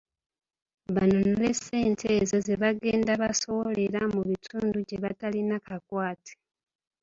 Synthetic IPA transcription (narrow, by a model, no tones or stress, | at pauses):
βanonolese̞ːntʰezeze̞βaɡe̞ːndaβaso̞wo̞le̞ɾamuβitʰuːnduɟeβatalinakʰakwaːtʰe̥